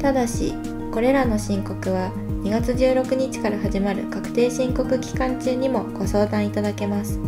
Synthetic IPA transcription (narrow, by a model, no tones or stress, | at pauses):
t̪ad̪aɕḭ | ko̞ɾe̞ɾano̞ɕĩŋko̞kɯ̟β̞a | ɲ̟iɡat͡sɨʑɨːɾo̞kɯ̟ɲ̟it͡ɕi̥kaɾaɦaʑimaɾɯ̟̰kakɯ̟̥t̪e̞ːɕĩŋko̞kɯ̟kʲi̥kãɲt͡ɕɨːɲ̟imo̞ɡ̥o̞so̞ːd̪ãɰ̃it̪ad̪ake̞masɨ̥